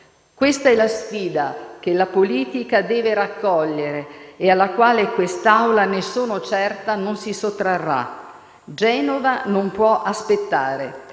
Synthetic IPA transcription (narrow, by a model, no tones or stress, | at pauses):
kwest̪aɛlːasfiːd̪ak̟elːapoliːt̪ikad̪ɛːveɾakːɔʎːeɾeːalːakwaːlekwest̪awlanesoːnot͡ʃɛrt̪anonsisot̪ːɾarːa̰ | d͡ʒɛːnovanompwɔʔaspet̪ːaːɾe